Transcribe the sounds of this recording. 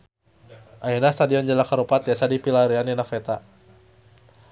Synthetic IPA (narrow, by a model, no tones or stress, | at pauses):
ʔainast̪adiɔnd͡ʒalakaɾupat̪iasadipilaɾiananafɛt̪a